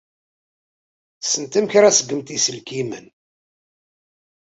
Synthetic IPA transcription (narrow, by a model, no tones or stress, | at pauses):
sənt̪əmçɾæsəɡːəmt̪isəlkimə̰n